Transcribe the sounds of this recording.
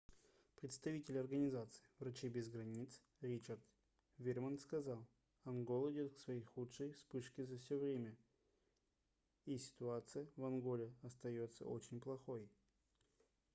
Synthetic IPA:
pɾʲɪt̪st̪ɐvʲitʲɪlʲɐrɡənʲɪzat̪sɨ̥ɪvɾɐt͡ɕibʲɪzɡɾɐnʲit̪s | ɾʲit͡ɕərd̪ | vʲɪrmənt̪skɐzalˠ | ɐnɡo̞lˠɪdʲot̪ksvɐjejxutʂɨjspɨʂkʲɪzɐfsʲovɾʲemʲə | isʲɪ̥t̪ʊat̪sɨjəvɐnɡo̞lʲɪɐst̪ɐjo̞t̪sə̰o̰t͡ɕɪnʲplˠɐxoj

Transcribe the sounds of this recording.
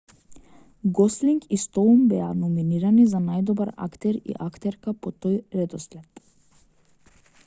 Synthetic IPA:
ɡɔsliŋkist̪ɔumbɛa̰nɔminiɾanizanajd̪ɔbaɾa̰kt̪ɛɾḭʔakt̪ɛɾkapɔt̪ojɾɛd̪ɔsplɛt̪

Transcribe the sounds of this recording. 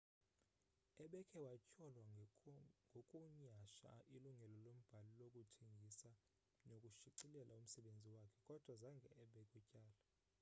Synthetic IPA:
ɛɓɛkʰɛwacʼɔlwa | ŋɡʱokʼuɲaʃa̰iluŋɡʱɛlɔlom̩b̥ʱalilokʼutʰeŋɡʱisa | nokʼuʃiǀilɛlʔaum̩sɛɓend͡zʱiwakʰɛkʼɔd̥ʱwazaŋɡʱɛːɓɛkʼucʼaːla

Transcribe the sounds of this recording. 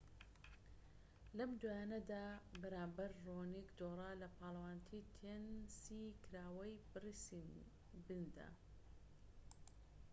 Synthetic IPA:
lɐmd̪wajaːnɐd̪aːbɐɾaːmbɐɾronikd̪orˤaːlɐpʰɑːlˠɐwaːnt̪ʰit̪ʰensikʰɨɾaːwɐjbrisi | bɨnd̪a̰

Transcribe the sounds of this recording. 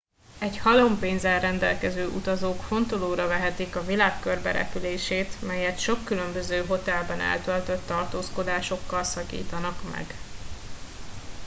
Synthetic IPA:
ɛɟhɒlo̞mpeːnzɛlrɛnd̪ɛlkɛzøːʔut̪ɒzoːkfo̞nt̪oloːɾɒvɛɦɛt̪ikɒvilaːkkørbɛ̰ɾɛ̰pyleːʃeːt̪mɛjɛt̪ʃo̞kːylø̞mbø̞zøːɦo̞t̪ɛlbɛnɛ̰lt̪ølt̪øt̪ːɒrt̪oːsko̞d̪aːʃo̞kːɒlsɒkḭːt̪ɒnɒkmɛ̰ɡ

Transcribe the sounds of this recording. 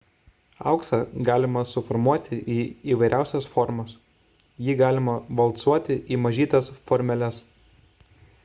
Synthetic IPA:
ɐ̰ˑʊksɑɡɑːlʲɪmɐsʊfɔɾmuɔt̪ʲɪʔiːiːʋɐɪɾʲʔæˑʊsʲɛsfɔɾmɐs | jiːɡɑːlʲɪmɐʋɐlˠt̪suɔt̪ʲɪʔiːmɐʒʲiːt̪ɐsfɔɾʲmʲɛlʲɛs

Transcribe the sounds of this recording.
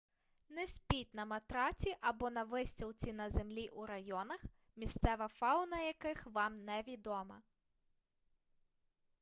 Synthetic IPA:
nɛsʲpʲit̚ʲnɐmɐt̪ɾɑt͡sʲiʔɐbɔnɐʋɪsʲtʲilˠt͡sʲinɐzemlʲiʔuɾɐjɔnɐx | mʲist̪sɛʋɐfɑwʊnɐjɐkɪxʋɑmnɛʋʲid̪ɔmɐ̰

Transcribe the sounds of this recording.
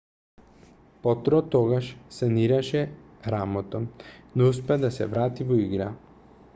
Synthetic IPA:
pɔt̪ɾɔt̪ɔɡaʃsaniɾaʃɛ | ɾamɔt̪ɔnouspɛad̪asɛ̰vɾat̪ivɔiɡɾa

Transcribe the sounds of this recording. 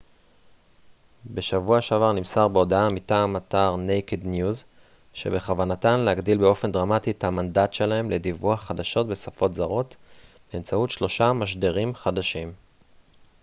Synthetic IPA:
be̞ʃavuaʃavaʁnimsaʁbeo̞daamitaːmataʁnejkednjuz | ʃe̞̰be̞χavanatanlehaɡdilbeo̞fe̞ndʁamatithamandatʃe̞lahe̞mle̞divuaχad̪aʃo̞t̚be̞safo̞tzaʁo̞t | beːmt͡sautʃlo̞ʃamaʃ̬deʁimχadaʃim

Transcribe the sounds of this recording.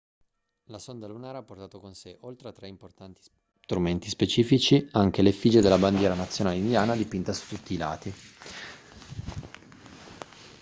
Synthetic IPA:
lasond̪alunaːɾapːort̪aːt̪okonseʔolt̪ɾeat̪ːɾeimport̪ant̪i̥ | t̪ɾument̪ispet͡ʃiːfit͡ʃiaŋk̟elefid͡ʒed̪elːaband̪jɛːɾanat̪sːjonaːleind̪jaːnad̪ipint̪asu̥t̪ut̪ːiːla̰ːt̪i

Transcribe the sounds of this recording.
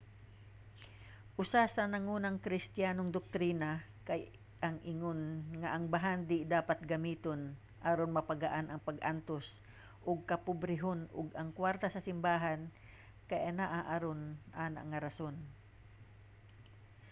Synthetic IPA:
ʔʊsasɐnɐŋuːnɐŋkɾɪst̪jaːnoŋd̪ok̚t̪ɾiːnakaj | ʔɐŋʔɪŋonŋaʔɐŋbaɦand̪ɪd̪aːpat̪̚ɡɐmiːt̪on | ʔaɾonmɐpaɡaʔanʔɐŋpɐɡʔant̪os | ʔʊɡ̚kɐpʊbɾɪɦonʊɡɐŋkwaɾt̪asɐsɪmbaːɦan | kɐjʔɐnaʔaʔaɾonʔaːna̰ŋaɾɐson

